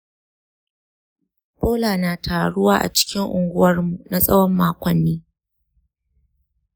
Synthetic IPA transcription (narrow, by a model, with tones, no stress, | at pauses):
pʼoː˦laː˨naː˨tʰaː˨ɽʊ˦waː˦ʔa̰˨t͡ʃɪ̥˦kʲɪ˦ŋʔʊ̰˨ŋɡʷʊ˦wɐ˦rmu˨na˨sʼɐ˦wɔ˦mːaː˦kʷɔ˨nːiː˦